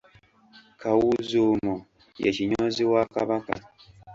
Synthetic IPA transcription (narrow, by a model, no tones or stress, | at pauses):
kʰawuzumo | jḛciɲoːziwaːkaβaka̰